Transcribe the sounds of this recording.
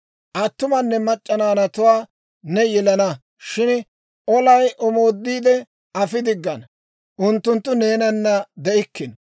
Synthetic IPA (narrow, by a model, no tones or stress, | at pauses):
ʔɐt̪ːʊmɐnːɛmɐt͡ʃʼːɐnaːnɐt̪ʊwaː | nɛjɛlɐnɐ | ʃɪn | ʔɔlɐjʔɔmo̞ːd̪ːiːd̪ɛ | ɐfɪd̪ɪɡːɐn | ʔʊnt̪ːʊnt̪ːʊneːnɐnːɐd̪ɛʔɪkːɪn